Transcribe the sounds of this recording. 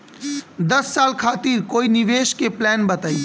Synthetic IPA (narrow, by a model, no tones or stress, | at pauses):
d̪əsːaːlkʰaːt̪iːɾkoːiniʋeːʃkeplɛːnbət̪əi